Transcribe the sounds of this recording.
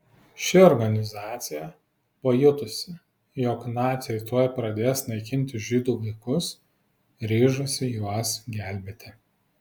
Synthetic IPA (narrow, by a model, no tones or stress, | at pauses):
ʃʲɪɔɾɡɐnʲɪzɑːt̪sʲɪjɛ | pɐjʊt̪ʊsʲɪ | jɔknɑːt̪sʲɛɪt̪uɔjpɾɐd̪ʲeːjsnɐɪkʲɪnʲt̪ʲɪʒʲiːd̪uːʋɐɪkʊs | ɾʲiːʒʊsʲɪjuɔsɡʲæˑlʲbʲeːt̪ʲɪ